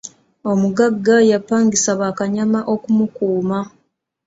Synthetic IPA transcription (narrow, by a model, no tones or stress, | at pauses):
o̞muɡaɡːajapːaːŋɡisaβaːkaɲamaʔo̞kumukuːma